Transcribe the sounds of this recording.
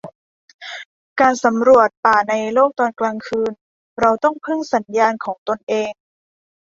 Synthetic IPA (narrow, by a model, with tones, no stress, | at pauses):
kaː˧nsa˩˦mɾu˨˩ət̪̚paː˨˩na˧jloː˥˩k̚t̪ɔː˧nklaː˧ŋkʰɯː˧n | ɾa˧wt̪ɔ˥˩ŋpʰɯ˥˩ŋsa˩˦njaː˧nkʰɔː˩˦ŋt̪o˧nʔeː˧ŋ